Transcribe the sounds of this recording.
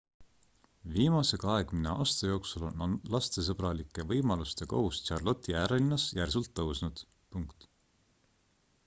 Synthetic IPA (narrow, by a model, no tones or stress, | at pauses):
viːmɑse̞ɡ̥ɑɑe̞ɡ̥mineɑːst̪ɑjo̞ːksulo̞nɑnlɑst̪e̞s̬ɤb̥ɾɑlikːˑe̞vɤjmɑlust̪e̞ko̰hust̪t͡ʃɑrlo̞t̪ːˑiæːɾelinːɑsjærsult̪ːɤwsnud̪̥ | puŋkt̪